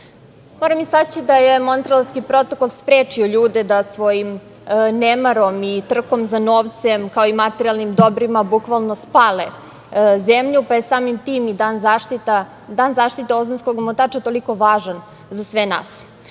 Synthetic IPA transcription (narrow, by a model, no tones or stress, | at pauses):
moːɾamisat͡ɕid̪ajemo̞nt̪ɾolskipɾo̞t̪okolˠspɾeːt͡ʃioʎuːd̪ed̪asʋo̞jim | nemaɾo̞mit̪r̩ko̞mzanoːʋt̪semkaoimat̪eɾialˠnimd̪o̞bɾimabukʋalˠno̞spaːle | zemʎupaje̞saːmimt̪iːmid̪aːnzat̪it̪a | d̪aːnzaːʃt̪it̪eozonskoɡmot̪aːt͡ʃat̪o̞liko̞ʋaːʒan | zasʋena̰ːs